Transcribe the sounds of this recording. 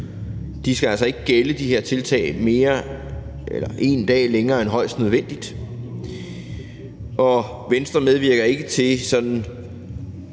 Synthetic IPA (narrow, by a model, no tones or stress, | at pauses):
d̥isɡ̥æælsɒ̽e̝ɡ̥əɡ̥eləd̥iɦe̝ɐt͡sʰe̝lt͡sʰɛ̰ːɪme̝ːɐ | ʔelɐʔe̝nd̥ɛ̰ːleŋɐːenɦɒ̽ɪ̰sd̥nøð̞ˠʋen̰d̥id̥ | ʔɒ̽ | ʋensd̥ʁɐmeð̞ˠʋiɐɡ̥ɐe̝ɡ̥ət͡sʰe̝sɒ̽d̥n̩